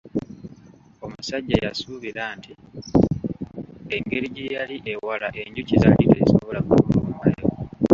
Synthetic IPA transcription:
o̞musaɟːajasuβiɾaːntʰi | eŋɡe̞ɾiɟejaliʔewalaʔe̞ɲɟucizaliɾeso̞βo̞lakuβomumajewo

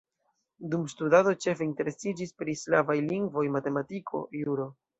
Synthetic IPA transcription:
dumstudado̞t͡ʃe̞feinte̞ɾe̞sid͡ʒispɾislavajliŋɡvo̞jmate̞matikʰo̞̰juɾo̞

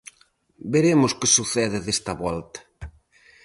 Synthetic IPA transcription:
beɾemʊskɪsuθɛðɪðest̪ɐβɔlt̪ɐ̥

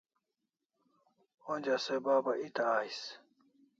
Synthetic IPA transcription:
õnd͡ʑasebaːbait̪aaːis

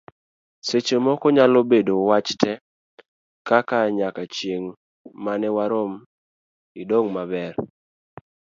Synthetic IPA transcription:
set͡ʃomɔkɔɲalobedowat͡ʃtɛ | kakaɲakat͡ʃjeŋ | manɛwaɾom | idoŋmabɛr

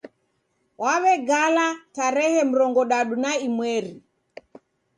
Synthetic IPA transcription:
wʔaβɛɡalataɾɛhɛm̩ɾɔŋɡɔɗaɗunaimwɛɾi

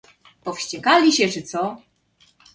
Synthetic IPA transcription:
pɔfɕt͡ɕɛkalʲiɕɛt͡ʂɘt̪sɔ

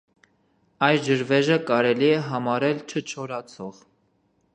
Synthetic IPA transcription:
ɑjd͡ʒəɾvɛʒəkɑɾɛliɛɦɑmɑɾɛlt͡ʃʰət͡ʃʰɔɾɑt͡sʰɔʁ

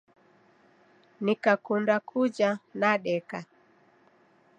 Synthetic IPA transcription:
nikakundakʰud͡ʒanaɗɛka

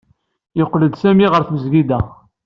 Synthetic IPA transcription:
joqːləd̪sæmiʁəɾθməzɡid̪æ

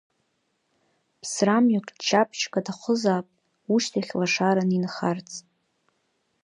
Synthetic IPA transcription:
pʰsramjakʼt͡ʃʰapʰt͡ʃʰkʷʼadʰaχʷʊzaːpʼ | uʃtʰaχʲlaʂaɾaninχart͡sʰʼ

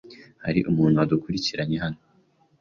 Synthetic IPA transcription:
haɾḭʔumuːn̤̥huad̪ukuɾiciɾaɲe̞ɦano

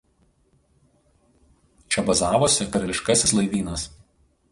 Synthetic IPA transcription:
t͡ʃʲɛbɐzɑːʋosʲɛkɐɾʲɐlʲɪʃkɐsʲɪslˠɐɪʋʲiːnɐs

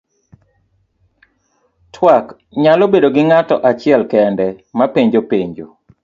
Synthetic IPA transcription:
tʰwak | ɲalobedoɡɪŋatɔʔat͡ʃɪɛlkɛndɛmapeɲd͡ʒopeɲd͡ʒo

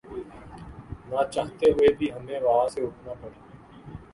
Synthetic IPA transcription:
nãːt͡ʃaːɦt̪eɦʊebʱiːɦəmẽːʋɐɦãseʊʈʰnaːpəɽeː

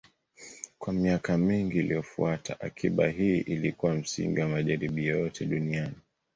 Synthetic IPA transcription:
kwamiakamiŋɡiːliɔfuatʰa̰ʔakʰiɓaɦiːʔilikuwam̩sḭŋɡiwamaʄaɾiɓijɔjɔtʰɛɗuniani

